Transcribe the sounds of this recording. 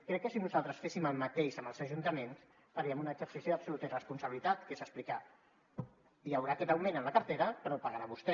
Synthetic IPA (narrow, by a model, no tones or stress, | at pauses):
kɾɛkːəsinuzalˠt̪ɾəsfesiməlˠmat̪eʃəmbəlˠzəʒunt̪əmens | fəɾiəmunəːɡzəɾsisioðəpsulut̪irəspunsəβilit̪at̪kesəsplika | jawɾakɛt̪əwmenənləkəɾt̪eɾəpəɾɔpaɣaɾaβust̪ɛ